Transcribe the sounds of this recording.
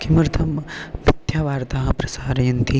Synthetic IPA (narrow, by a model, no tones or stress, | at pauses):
kimɐɾt̪ʰɐmʋit̪jaːʋaːɾt̪aːɦɐ̃pɾɐsaːɾɐjunt̪i